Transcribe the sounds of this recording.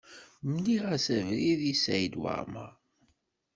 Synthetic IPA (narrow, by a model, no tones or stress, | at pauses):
mniʁæsævɾiðisjd̪wa̰ɾma̰